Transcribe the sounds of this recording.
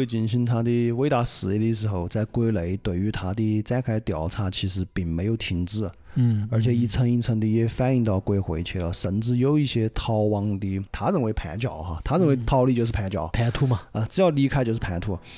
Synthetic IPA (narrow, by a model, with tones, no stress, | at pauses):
twe˥˩ɪt͡ɕi˧˥˩nɕi˥nt̪ʰa˧˥t̪̬i˥˩we˥ɪt̪a˧˥ʂɹ̩˨˩i˧˥d̪i˥˧˩ʂɻ̩˧˥xo˥˧ʊt͡sa˥˩ɪkwe˥ɪle˧˥ɪt̪we˨˩ɪy˧˥t̪ʰa˧˥t̪̬i˥˩t͡sa˥ɪkʰa˧˥ɪt̪jɑ˨˩ʊt͡sʰa˥˩t͡ɕʰi˧˥ʂɻ̩˧˥pi˨˩ŋme˧˥ɪjo˨˩ʊt̪ʰi˧˥ŋʈ͡ʂɻ̩˥˩˥ə˞˧˥t͡ɕʰjɛ˨˩i˥˩t͡sʰə˥ŋi˥˧t͡sʰə˥ŋt̪̬i˥jɛ˥˩fa˥˧ni˥˧ŋt̪ɑ˥˩ʊkwe˥ɪxwe˧˥ɪt͡ɕʰɛ˥˩lə̰˩ʂə˧˥nʈ͡ʂɻ̩˥jo˨˧˩ʊi˥˩ɕjɛ˥t̪ʰɑ˥ʊwɑ˥ŋt̪i˥t̪ʰa˥ɻə˧˥nwe˧˥ɪpʰa˧˥ɪt͡ɕjɑ˨˩˦ʊxa̰˧t̪ʰa˥ɻə˥˩nwe˧˥ɪt̪ʰɑ˥ʊli˥˧t͡ɕjo˥˧ʂ̬̩˥˩pʰa˧˥ɪt͡ɕjɑ̰˨˩˦ʊpʰa˧˥ɪt̪ʰu˥mɐ˨ə˧ʈ͡ʂɻ̩˧˥jɑ˥˩ʊli˧˥kʰa˥t͡ɕjo˥˧ʂɻ̩ʰ˧˩a˧˥ɪt̪ʰu˥